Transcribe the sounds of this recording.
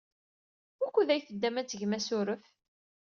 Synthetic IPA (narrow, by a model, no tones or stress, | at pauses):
ʊkʷːuðæjθəd̪ːæmæt͡sːəʝmæsʊɾəf